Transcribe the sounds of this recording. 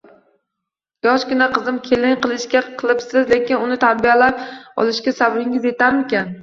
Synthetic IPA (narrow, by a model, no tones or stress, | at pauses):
jɒʃkʲɪnaqɨzɪmkʲʰe̞lɪŋqɨlˠɪʃkʲaqʰɨlˠɪpsɪzle̞kʲɪnʊnɪt̪ʰaɾbialap̚ɒ̰lˠɪʃkʲasabbɪŋɪze̞t̪ʰaɾmɪkʲan